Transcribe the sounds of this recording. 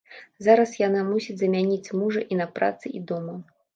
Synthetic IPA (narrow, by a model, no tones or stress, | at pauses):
zaɾɐsjanamusʲid͡zʲzɐmʲanʲit͡sʲmuʐɐʔinɐpɾa̰t̪sɨʔid̪ɔmɐ